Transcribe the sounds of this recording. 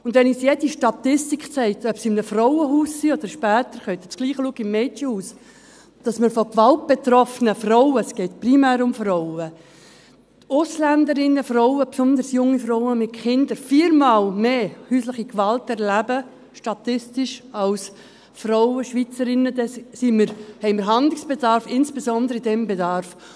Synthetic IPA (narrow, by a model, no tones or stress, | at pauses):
ʊndʋɛnisjɛdiʃtɑt̪ɪstiksɛɪtœpsɪmnəfrɔʊəɦuːsːiɔd̥əɾʃpæːt̪əɾχœʏt̪ət͡sɡ̥liːχluːɡɪmːɛt͡ʃəhuːs | d̥ɑsməɾfɔkʋɑlt̚b̥et̪ɾɔfnəfrɔʊəsɡ̥ɛɪt̚primæːɾʊmfrɔʊə | ʊslændəɾɪnːəfrɔʊəpsʊnd̪əɾsjʊŋːifɾɔʊwəmɪtχɪndəɾfiːɾmɑːlmeːhyːslɪχikʋɑltɛɾlæbə | ʃtɑtɪstɪʃɑls | frɔʊəʃʋit͡səɾɪnədɛssiməɾhɛɪməɾɦɑndlɪksb̥edɑɾfɪnsb̥esɔndəɾəidɛmbedɑɾf